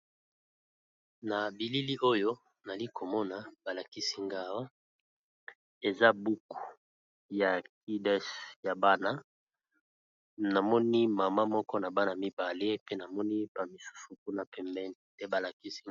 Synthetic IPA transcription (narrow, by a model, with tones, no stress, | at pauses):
na˨bi˨li˦li˦ʔo˦jo˦ | na˨li˦kʰo˨mɔ˦na˨b̥a˨la˨ki˦si˦ŋɡa˦wo˦ | e˨za˦bu˦ku̥˨ | ja˨k̚i˦dɛ˦sja˨ba˦na˦ | na˨mɔ˦ni˦ma˨ma˦mɔ˦kɔ˦na˨ba˦na˨mi˦ba˨le˦pe˦na˨mɔ˦ni˦ba˨mi˨su̥˦su˨ku˦na˨pɛ˨mbɛ˦ni˨tɛ˦ba˨la˨ki˦si˦